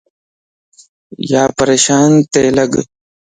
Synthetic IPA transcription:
jaːpɐɾeːʃaːnt̪eːlɐɡ

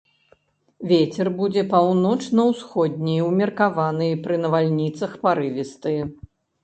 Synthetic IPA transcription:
vʲet͡sʲɛrbud͡zʲɛpawnɔt͡ʂnɐwsxɔd̪ʲnʲɛjwmʲɐrkavanɨjpɾɨnɐvalʲnʲit̪sɐxpaɾɨvʲist̪ɨ

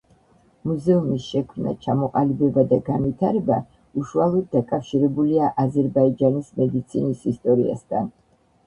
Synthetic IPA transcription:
muzɛumisʃɛkʰmna̰t͡ʃʰamɔqʼalibɛbad̪aɡanvit̪ʰaɾɛba | uʃualˠɔd̪̚ːakʼafʃiɾɛbuliaʔazɛɾbaid͡ʒanismɛd̪it̪sʰinisist̪ʼɔɾia̰st̪ʰa̰n

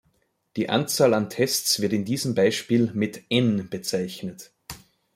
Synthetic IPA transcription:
d̥iːʔa̰nt͡saːlantʰɛstt͡sv̥ɪɐtɪndiːzəmbaɪʃpiːlmɪtʔɛnb̥ət͡saɪçnət

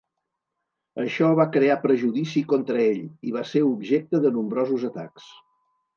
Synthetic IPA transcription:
əʃɔβakɾeapɾəʒuðisikont̪ɾəeʎiβ̞aseɾubʒek̚t̪əðənumbɾɔzuzət̪a̰ks

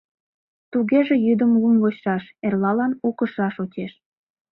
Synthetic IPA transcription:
t̪uɣeʒĕjyd̪əmlumvot͡ɕːɑʃerlɑlɑnukəʃɑʃot͡ɕʲeʃ

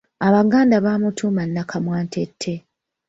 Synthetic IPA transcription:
aβaɡaːndaβamutʰumanːakʰamwaːntʰe̞tʰːe̞

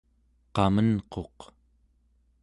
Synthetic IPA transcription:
qɑmənqo̞q

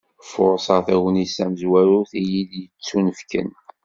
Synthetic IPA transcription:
fʊɾˤsˤɑʁθiwənisæməzwæɾʊθijid̪jət͡sːunəfkə̰n

